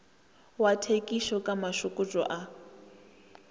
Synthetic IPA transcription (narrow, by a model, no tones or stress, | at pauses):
watʰekʼiʃɔkʼamaʃukʼut͡ʃʼɔ̰ʔa